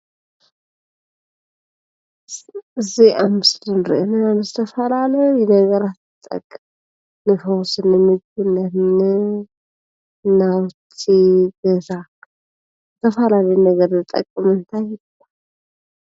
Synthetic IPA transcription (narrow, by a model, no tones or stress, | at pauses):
ɨziamɨslɨnɾə̰ʔnəamɨst̪ʰəfalaləjɛnəɡəɾat̪ɨt̪ʼə̰kʼːm | nɨfəwsɨnːɨmɨd͡ʒunːənɨ | nawt͡ʃːiɡəza | t̪ʰəfalalənəɡəɾnɨt̪ʼə̰kʼːɨmɨnt̪ʰaj | a